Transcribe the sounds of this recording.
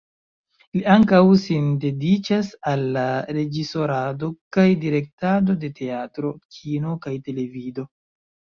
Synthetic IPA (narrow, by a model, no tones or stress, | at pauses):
liaŋkawsinde̞dit͡ʃasalːaɾe̞d͡ʒiso̞ɾado̞kajdiɾe̞k̚tado̞de̞te̞atɾo̞kʰino̞kajte̞le̞vido̞